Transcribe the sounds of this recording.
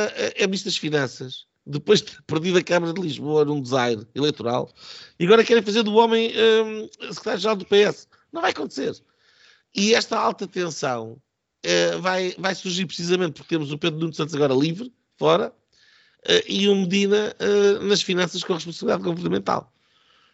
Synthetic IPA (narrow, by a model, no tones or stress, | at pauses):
ɛʔɛniʃt̪ðɐʃfinɐ̃sɐʃ | d̪ɨpojʒd̪pɨɾðiðɐkɐmɐɾɐðlˠiʒβoɐnũd̪zajɾilˠejt̪uɾa̰lˠiɐɣɔɾɐkɛɾẽj̃fɐzeɾðuɔmɐ̃j̃ɛsɨkɾt̪aɾjuʒɨɾalˠd̪upeɛs | nɐ̃w̃vajɐkõnt̪seɾ | iɛʃt̪ɐalˠt̪ɐt̪ẽsɐ̃w̃ | ɛvajvajsuɾʒiɾpɾsizɐmẽnt̪̚puɾk̚t̪emuzupeðɾunũnsɐ̃nt̪zɐɣɔɾɐlˠivɾ | fɔɾɐ | ɛʔiumɨðinɐɛnɐʃfinɐ̃sɐʃkõɐʁɨʃpõsɐβlˠiðaðɣuvɨɾnɐmẽnt̪a̰lˠ